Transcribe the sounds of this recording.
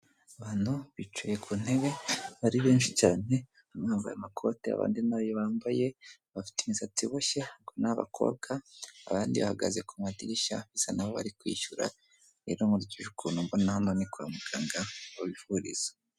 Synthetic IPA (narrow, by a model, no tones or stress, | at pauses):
aβaːn̥huβit͡ʃujekʰun̥e̞βe̞βaɾiβeːnʃicaːne̞ | amŋaːɱvṵja̰makʰo̞tea̰βa̰ːndinaːβjoβaːmbaje̞βafi̥timizatiβoʃehaɡonaβa̰kʰo̞̰ːb̚ɡaːβaːndiβahaɡa̰zekʰomadiɾiʃaβisanaβoβa̰ɾikwḭːʃuɾa̰ | iɾomuɾucuʒukʰunumbonnahanonikua̰muɡ̥aːŋɡauβifuɾḭz̥a